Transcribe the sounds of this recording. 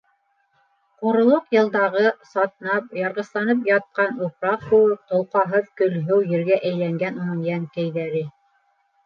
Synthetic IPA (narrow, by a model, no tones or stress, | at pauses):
qŏɾŏlˠoqjɤ̆lˠd̪ɑʁɤsɑt̪nɑp̚jɑɾʁɤ̆slˠɑnɤp̬jɑt̪̚qɑnupɾɑq̚kɵ̆wɘp̚t̪ŏlˠqɑɦɤðkɵ̆lɦɵwjɘ̆ɾɡæʔæjlæŋɡænuŋjæŋkæjðæɾɘ